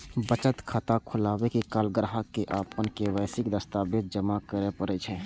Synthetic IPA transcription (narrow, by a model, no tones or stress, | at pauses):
bət͡ʃət̪kʰat̪akʰʊlaːwekekaːlɡɾɦakːeʔaːpənkeʋəːsɪkd̪əst̪abeːd̪̚d͡ʒəmakəɾepəɾɛt͡ʃʰɛ